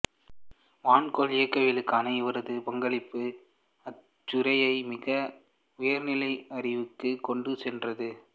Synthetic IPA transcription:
ʋaːnkolɪjɐkːɐʋɪlɯkːaːnɐɪʋɐɾɐðɯpɐŋɡɐɭɪpːɯ | ɐ | t͡ʃːʊɾɐjɐɪmɪɣɐ | ʊjɐɾnɪlɐɪɐrɪʋɯkːɯkːɔɳɖɯsɛndrɐðɯ

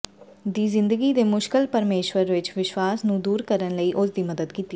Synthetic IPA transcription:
d̪iːzɪ̃nd̪əɡiːd̪eːmʊʃkɪlpəɾmeːʃwəɾʋɪt͡ʃʋɪʃwaːsnũːd̪uːɾkəɾənləiːʔʊsd̪iːməd̪əd̪kiːt̪iː

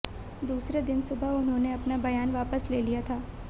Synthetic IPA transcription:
d̪uːsɾed̪ɪnsʊbʱəɦʊnɦõneɐpnabɐjaːnʋaːpəsleːlijat̪ʰaː

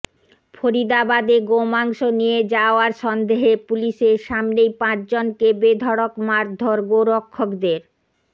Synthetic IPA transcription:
foɾid̪abad̪eɡomaŋʃonijed͡ʑaaɾʃɔnd̪eɦepuliʃeɾʃamnejpãt͡ɕd͡ʑonkebed̪ʱɔɽokmaɾd̪ʱoɾɡoɾokʰːokd̪eɾ

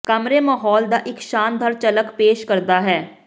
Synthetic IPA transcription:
kəmɾeːmaːɦɔːld̪aːʔɪkʃaːnd̪ʱəɾt͡ʃələkpeːʃkəɾd̪aːɦɛː

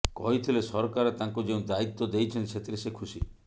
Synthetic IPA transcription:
kɔɦit̪ʰilesɔɾkaɾet̪ãŋkud͡ʒeũd̪ait̪ːɔd̪ejt͡ʃʰent͡ʃʰet̪ɾesekʰusi

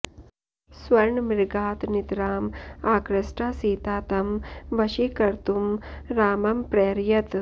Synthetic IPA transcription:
sʋɐɾɳmiɾɡaːt̪nit̪ɾaːmaːkɾɐsʈaːsiːt̪aːt̪ɐmʋɐʃikɐɾt̪umɾaːmɐmpɾeːɾjɐt̪

